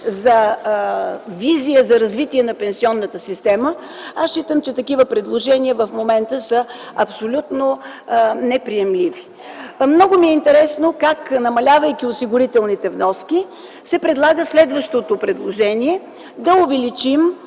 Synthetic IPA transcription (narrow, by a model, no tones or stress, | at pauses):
zɐ | vizijəzɐɾɐzvit̪iɛnɐpɛnsiɔnːət̪əsist̪ɛmə | ast͡ʃit̪əmt͡ʃɛt̪ɐkivəpɾɛd̪lˠoʒɛniəvəfmomɛnt̪əsə | ɐpsolʲut̪no | nɛpɾiɛmlivi | mnɔɡʊmiɛint̪ɛɾɛsnokaknɐmɐlʲavəjkʲiʊsiɡʊɾit̪ɛlˠnit̪ɛvnɔski | sɛpɾɛd̪lˠaɡəslɛd̪vəʃt̪ot̪opɾɛd̪lˠoʒɛniɛ | d̪ɐʊvɛlit͡ʃim